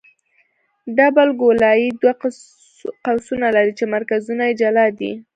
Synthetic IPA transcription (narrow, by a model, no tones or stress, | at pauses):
ɖabalɡolɑjid̪wa | qawsunalaɾit͡ʃemaɾkazunajed͡ʒalɑd̪ḭ